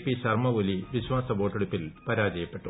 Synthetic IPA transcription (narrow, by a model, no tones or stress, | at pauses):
pːiɕɐrmɐʋoliʋiɕwaːsɐboːʈːeɽupːilpɐɾaːd͡ʑɐjɐpːe̞ʈːu